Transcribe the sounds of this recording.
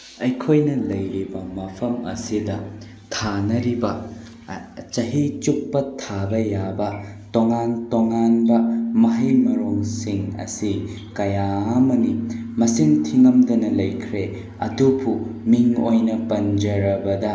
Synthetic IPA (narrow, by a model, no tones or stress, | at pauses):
ɐjkʰojnɐlɐjɾibɐmɐpʰɐmɐ̰sidɐ | tʰanɐɾibɐ | t͡ʃɐɦit͡ʃuk̚pɐtʰabɐjabɐtoŋantoŋanbɐmɐɦɐjmɐɾoŋsiŋɐ̰si | kɐjaɐmɐnimɐsiŋtʰiŋɐmdɐnɐlɐjkʰɾe | ɐ̰dupʰumiŋojnɐpɐnd͡ʒɐɾɐbɐdɐ